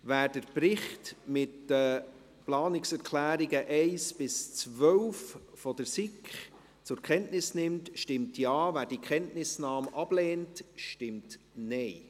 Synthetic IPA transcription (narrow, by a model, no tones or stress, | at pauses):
væːɾd̥əɾpɾɪχtmɪtdə | plɑːnɪksɛɾkʰlæːɾiɡəʔɛɪsb̥ɪst͡svœwffɔdəɾsɪkχ | t͡sʊɾkχɛntnɪsnɪmtʃtɪmtjɑːvæːɾdikχɛntnɪsnɑːmʔɑb̥lɛːntʃtɪmtnɛɪ